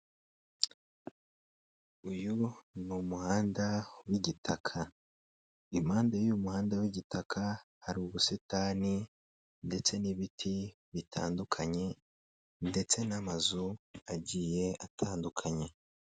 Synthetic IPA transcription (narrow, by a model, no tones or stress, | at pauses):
ujunumuhaːndawiɟitʰakʰa | imaːndajumuhaːndawiɟitʰakʰahaɾiuβusitaːni | nde̞t͡se̞niβitʰi | βitʰa̰ːndukʰaɲe̞ | nde̞t͡se̞namazuaɟiːje̞atʰaːndukʰaɲe̞